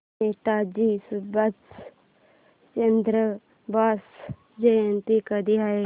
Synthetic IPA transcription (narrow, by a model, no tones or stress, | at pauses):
eːʈaːd͡ʒisubɐt͡s | t͡ʃɐnd̪ɾə | baːs | d͡ʒɐjɐnt̪ikɐd̪iɦa